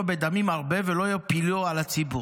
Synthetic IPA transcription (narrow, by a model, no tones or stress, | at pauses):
bed̪amimaʁbe̞velo̞ajopiloalat͡sibu